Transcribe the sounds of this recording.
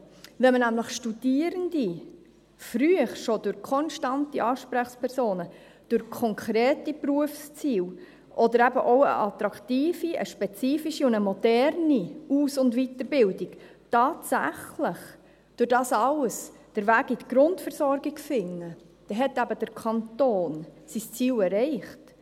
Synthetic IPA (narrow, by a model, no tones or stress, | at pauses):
ʋɛmənæmləχʃtud̥iːəɾənd̥̪i | fɾyəχʃod̥ʊɾkʰɔnʃtɑntiʔɑːʃpɾæχspʰɛɾsoːnə | d̥ʊɾkʰɔŋkʰɾeːtipruəfst͡siːl | ʔɔd̪əɾæbəʔɔʊə̰ʔɑt̪ɾɑktiːfiə̰ʃpɛt͡siːfiʃiʊndəmɔdɛɾniuːsʊndvitəɾbɪldik | tɑːtsæ̰χləχ | d̥ʊɾd̥ɑːsɑləsd̥əɾvæːɡitɡ̥ɾʊntfɛɾsɔɾɡiɡfɪŋːə | d̥ɛɦɛtæbəd̥əɾkʰɑntoːnsist͡siːlɛɾɛɪχt